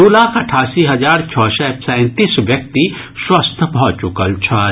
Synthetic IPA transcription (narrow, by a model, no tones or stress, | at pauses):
oːlaːkʰɐʈʰaːsiɦɐd͡ʒaːɾt͡ʃʰɔːsɛsɛ̃ːt̪isʋjɐk̚t̪i | swəst̪ʰbʱɔt͡ʃʊkəlt͡ʃʰa